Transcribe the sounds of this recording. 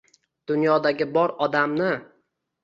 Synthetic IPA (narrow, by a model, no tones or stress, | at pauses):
d̪̥ʊnjɒd̪aɡʲɪbɒɾɒd̪amnɪ